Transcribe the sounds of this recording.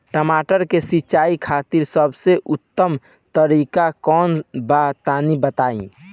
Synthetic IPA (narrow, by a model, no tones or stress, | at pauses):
ʈəmaʈəɾkesiːt͡ʃaikʰat̪iɾsəbʱseʔʊt̪ːəm | t̪əɾikakɔːnbat̪anibət̪aĩ